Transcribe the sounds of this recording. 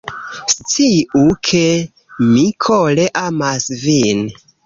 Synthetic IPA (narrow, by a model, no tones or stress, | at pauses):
st͡siukʰe | mikʰoleʔamasvin